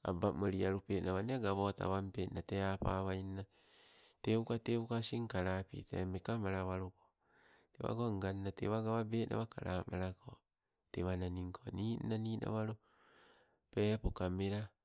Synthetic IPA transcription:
a̰bamoɾiaɾupenaβaneaɡaβota̰βampenateapa̰βajnna | teukateukasiŋkaɾapḭtḛmekamaɾaβaɾoko | tewa̰ɡoŋɡanːatḛβaɡaβabeːnʔa̰βakaɾamaɾako | tewananiŋkʰoniːnnaniːna̰βaɾo | pepokameɾa

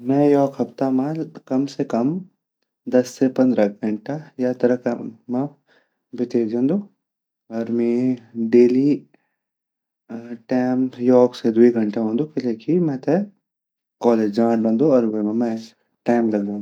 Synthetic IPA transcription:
mɛ̃jɔːkɦɐpt̪amãkɐmsekɐm | d̪ɐsːepɐ̃nd̪ɾaɡʱɐɳʈajat̪ɐɾəkmã | bʱɪt̪ed͡ʒãːnd̪uː | ɔːɾmĩɖeːli | ʈaːɪmjɔːksed̪uiɡʱɐ̃ɳʈaɦõːnd̪ukɪleːkimɛ̃t̪e | kɔːleːd͡ʒd͡ʒãːʈbɐ̃ːnd̪uɔːɾʋemẽmɛ̃ | ʈaːmlɐɡd͡ʒãːnd̪

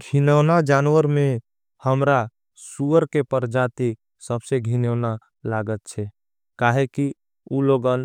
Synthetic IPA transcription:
ɡʱinənad͡ʒanwəɾmẽ | həmɾa | suəɾkepəɾd͡ʒat̪i | səbseɡʱinəʊna | laɡət̪̚t͡ʃʰɛ | kaɦeki | uloɡən

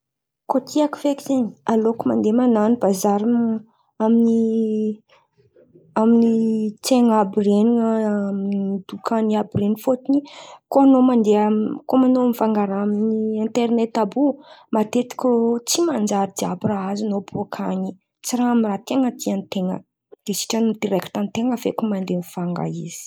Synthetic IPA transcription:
kot̪ʰiaki̥fekizenialokumand̪emananibazaɾim | amini | aminit͡seŋabireniŋəmnid̪̥ukʰaniabirenifot̪inikoanomand̪eamkomanoamifaŋɡaɾaaminiint̪eɾnet̪abumat̪et̪i̥kʲot͡simand͡ʒaɾid̪iabraazinobuakʰaɲi | t͡siɾaamirat̪eŋəd̪ianit̪eŋə̰̥ | esi̥ʈ͡ʂanmid̪̥iɾɛku̥t̪anit̪eŋəvḛkumand̪enfaŋɡa̰iz̥i̥

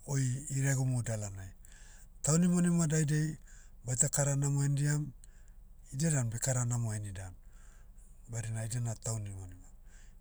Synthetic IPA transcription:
ojiɾaɡomudalanaj | tawnimonimadajdej | bajtakaɾanamoendiam | idedanbekaɾanamoenidan | baɾinaidanataunimonima

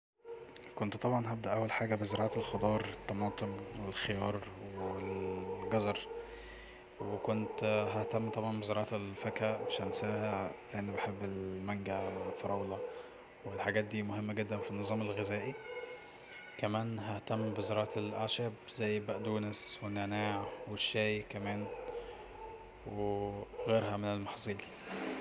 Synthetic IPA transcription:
kont̪t̪ˤɑbʕɑnɦæb̚d̪æʔæwːælħaːɡæbezeɾˤɑːʕɑelxod̪ˤɑːɾˤet̪ːɑmɑːt̪ˤemwelxejɑːɾˤwweelɡɑzɑɾˤ | wekont̪ɦæht̪æmːt̪ˤɑbʕɑnbezeɾˤɑːʕɑelfækæʔbeʃænsæːhæʕleʔenːbeħebːelmæŋɡæwelfɑɾˤɑwlɑ | welħaɡæːt̪̚d̪iːmʊɦemːæɡɪd̪ːænfinːɨzˤɑːmelɣezæːʔi | kæmæːnɦæht̪æmːbɪzɑɾˤɑːʔt̪elʔaʃæbzæjːbæʔd̪uːneswenːænaːʕweʃːæːjkæmæːn | weɣeːɾɦæmɪnelmɑħsˤiːl

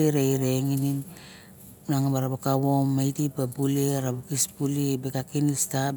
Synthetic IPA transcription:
eɾejɾeŋinin | naŋabaɾabakaβomːajtipabuleɾabukispulibekakinista

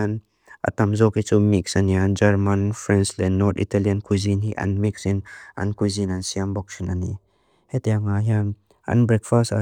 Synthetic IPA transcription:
an | ʔɐ̰t̪ɐmzɔkhit͡sumiksɐniand͡ʒɐɾmɐnfɾɛnslɛnːɔɾt̪it̪aliankuzinɦiʔɐ̰nmiksinʔɐ̰nkuzinɐnsiambɔk̚sinani | hɛt̪ɛaŋaɦian | ɐ̰nbɾɛk̚fasta

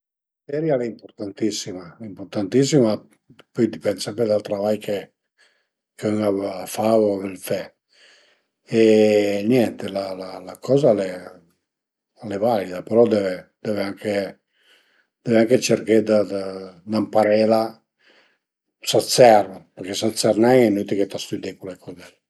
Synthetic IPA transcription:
sɛɾjalɛimpoɾt̪ant̪isːimaimpoɾt̪ant̪is̬ːima | pɔjd̪ipɛnd̪sɛmpɾed̪alt̪ɾavajkʰe | køŋafaoavɛlfɛ | ɛnjɛnt̪elalalakʰɔːzalɛ | alɛvalid̪apeɾɔd̪ɛved̪̥ɛveaŋkʰe | d̪̥ɛveaŋket͡ʃeɾked̪ad̪ad̪ampaɾɛːla | sat̪sɛraperkesat̪sɛrnɛŋɛnːut̪iket̪ast̪yd̪ekulekɔd̪ɛ

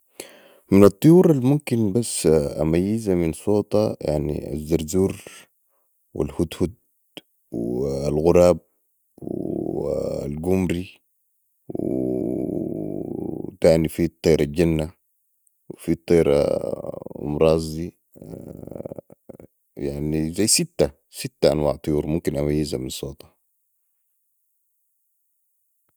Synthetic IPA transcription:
minɑt̪ˤːujuːɾˤalmumkinbasːa̰majːizaminsˤoːt̪ˤɑja̰ʕnḭa̰zːɑɾzuːɾ | wḭlhut̪hud̪̚ | walɣuɾˤɑːb̚ | w | lɡumɾi | w | t̪aːnifit̪ˤːɑjɾˤɑlɟanːa | wfit̪ˤːɑjɾɑ̰ | mɾˤɑːzi | jaʕnizajsit̪ːa | sit̪ːaʔanwaːʕt̪ˤɨjuːɾˤmumkinʔamajːizaminsˤoːt̪ɑ̥

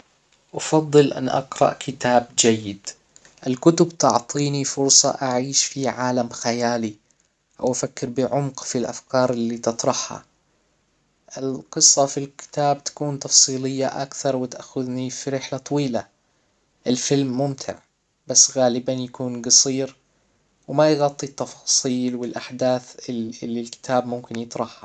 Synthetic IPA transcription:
ʔɑfɑd̪ˤːɨlʔa̰nʔɑ̰qɾɑ̰ʔkʰɪt̪aːb̚d͡ʒajːɪd̪ | ʔɪlkʊt̪ʊbt̪ɑʕt̪ˤiːnifʊɾsˤɑ̰ʔaʕiːʃfiʕaːlamxajaːli | ʔawʔafakːɪɾbɪʕʊmqfilʔa̰fkɑːɾˤɪlːiːt̪ɨt̪ˤɾˤɑħha̰ | ʔɪlqɨsˤːɑfilkɪ̥t̪aːbt̪ḁkuːnt̪ɑfsˤiːlɪjːaʔa̰kθɑɾˤwɪt̪aʔxʊðnifiɾɪħlat̪ˤɑwiːla | ʔɪlfɪlmːʊmt̪ʰɪ̰ʕ | basːɣaːlɪbanjakuːnɡɑsˤiːɾ | wmajɣɑt̪ˤːit̪ːɑfɑːsˤiːlwɪlʔaħd̪aːθɪɪlːilkɪ̥t̪ʰaːbmʊmkɪnjɨt̪ˤɾˤɑħha

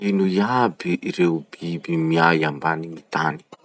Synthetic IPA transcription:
inujabiʔiɾeubibimiajambanimit̪ani̥

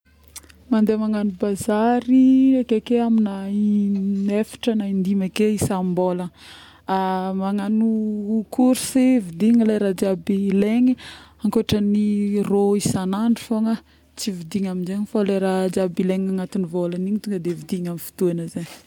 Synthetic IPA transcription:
mand̪emaŋanubazaɾiakekeamina | nefi̥ʈ͡ʂənaind̪imakeisambolə | amaŋanukʰuɾsevid̪iɲilaɾad͡ʒabileŋiaŋkoaʈ͡ʂəniroisanaɳɖ͡ʐifoŋə | t͡sivid̪iɲaminzeɲifoleɾad͡ʒabileŋaŋat̪inivolaniɲit̪uŋɡəd̪evid̪iɲamifi̥t̪uanəzeɲ

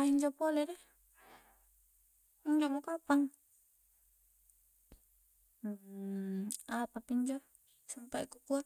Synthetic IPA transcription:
aiɲd͡ʒɔpolɛdɛ | iɲd͡ʒɔmokapaŋ | apapiɲd͡ʒɔ | sampaʔikukua

